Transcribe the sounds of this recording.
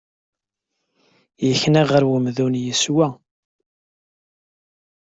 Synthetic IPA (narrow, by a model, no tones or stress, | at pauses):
jəçnæʁəɾwəmðunjəswæ